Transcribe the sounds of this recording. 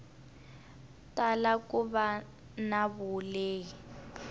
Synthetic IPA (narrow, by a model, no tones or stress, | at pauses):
talakuβa | naβuleːi